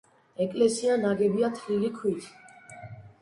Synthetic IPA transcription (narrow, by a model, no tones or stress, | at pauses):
ɛkʼlɛsianaɡɛbiat̪ʰlilikʰwit̪ʰ